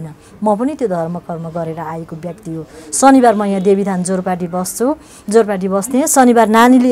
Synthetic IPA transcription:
nʌ | mʌpʌnit̪jod̪ʱʌrmʌkʌrmʌɡʌɾeɾʌajekobjʌk̚t̪iɦosʌnibarmʌjãd̪ebid̪ʰʱand͡zoɾpaʈ̬ibʌst͡sʰu | d͡zorpaʈ̬ibʌsd̪ẽsʌnibarnanile

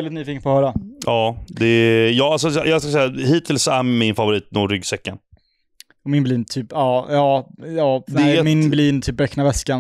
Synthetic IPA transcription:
ɛld̪ɪt̪nyːfiːkənpʰɔːhœːɾaɑːd̪ɛjɑːalsɔjjɑːɡskasɛjahiːt̪ʰɪlsɔæɾmɪnfavʊɾiːt̪̚nuɾʏɡsɛkːan | ɔmɪnbliːnt̪ʰyːpɑːjɑːjɑːɛmɪnbliːnt̪ʰyːp̚bɛkːnavɛskan

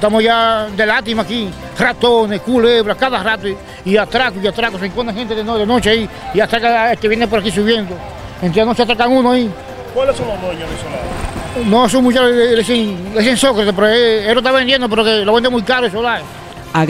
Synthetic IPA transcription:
t̪amoʝad̪e̞lat̪imaki | rat̪oneskuleβɾahkaðarat̪oi | iat̪ɾakuiat̪ɾakoseŋkond̪ehent̪eðenoðeno̞t͡ʃeai | iat̪ɾakaelkeβjenep̬oɾakisuβje̞nd̪o | ent̪ɾeanot͡ʃeat̪ɾakaŋũnoai | kwalesononeɲaðesolaðonoes̬uŋmũt͡ʃaleesees̬ensokɾat̪epeɾoeeɾot̪̬aβend̪jend̪opeɾokeloβend̪emujkaɾoesolae

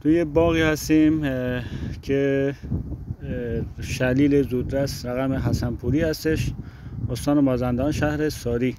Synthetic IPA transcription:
t̪ʰujebɒːɣiːhæst̪iːm | kʰe | ʃæliːlezuːd̪ɾæsɾæɣæmeɦæsænpʰuːɾiːhæst̪eʃ | ost̪ɑːnemɒːzænd̪ɒːnʃæhɾesɒːɾiː

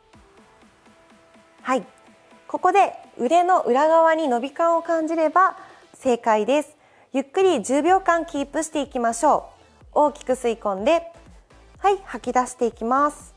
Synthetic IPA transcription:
hai | ko̞ko̞d̪e̞ɯ̟ɾe̞no̞ʔɯ̟ɾaɣaβaɲ̟ino̞bʲikãɰ̃o̞kãɲ̟d͡ʑiɾe̞ba | se̞ːkaid̪e̞sɨ̥ | jɯ̟kːɯ̟ɾʲid͡ʑɨːbʲjo̞ːkãŋkʲiːpɯ̟ɕi̥t̪e̞ikʲimaɕo̞ː | o̞ːkʲi̥kɯ̟sɨikõ̞nd̪e̞ | haihakʲid̪aɕi̥t̪e̞ikʲimasɨ̥

